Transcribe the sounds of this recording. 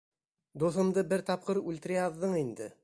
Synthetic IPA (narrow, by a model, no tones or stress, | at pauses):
d̪uθɤ̆md̪ɤbɘɾt̪ɑp̚qɤɾʉlʲt̪ɘ̆ɾæɑðːɤɴind̪ɘ